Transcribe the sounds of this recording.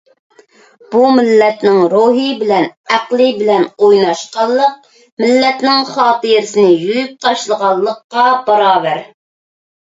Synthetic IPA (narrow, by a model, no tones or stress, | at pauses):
b̥umɪlːɛt̪nɪŋɾoɦɨbɪlɛnæqlˠɨbɪlɛnojnɑʃqɑlˠːəq̚ | mɪlːɛt̪nɪŋχɑːt̪ɨjɾsɪnɪjujyp̚t̪ʰɑʃlˠəʁɑlˠːəqːɑbɑɾɑːbæɾ